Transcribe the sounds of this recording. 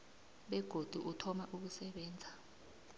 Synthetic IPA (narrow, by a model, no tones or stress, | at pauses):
ɓɛɡ̥ʱod̥ʱuʔutʰɔmaʔuk̬usɛɓɛːnd͡zʱa